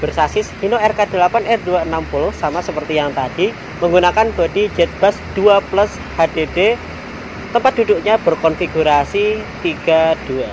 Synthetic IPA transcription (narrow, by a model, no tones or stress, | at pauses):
b̥ərsasɪshinoɛrkad̥ə̤lapanʔɛrduaənampulʊhsamasəpərt̪ijaŋt̪ad̥i | məŋɡunakanb̥ad̥id͡ʒɛt̪̚b̥asd̥uaplʊs | had̥ede | t̪əmpat̪̚d̥̪uduʔɲab̥ərkɔnfiɡuɾasit̪iɡ̥ad̥ua